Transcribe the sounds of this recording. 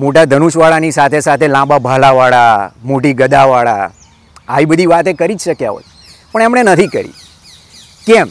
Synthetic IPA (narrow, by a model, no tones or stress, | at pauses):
moʈad̪ʱənuʃʋaɭanisat̪ʰesat̪ʰelãbabʱalaʋaɭamoʈiɡəd̪aʋaɭa̰ | a̰ʋibəd̪ʱiʋat̪ekəɾid͡ʒʃəkja̰ɦo̰j | pəɳemɳenət̪ʰikəɾḭ | kɛm